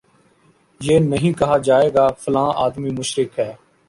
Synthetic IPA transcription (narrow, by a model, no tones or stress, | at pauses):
jeːnɐɦĩːkɐɦaːd͡ʒaːeːɡaːfəlãːʔa̰ːd̪miːmʊʃɾɪkɦɛː